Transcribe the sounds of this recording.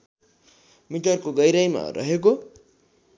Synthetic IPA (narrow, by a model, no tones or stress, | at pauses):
miʈʌrkoɡʌjɾʌjma̰rʌ̰ɦek̬o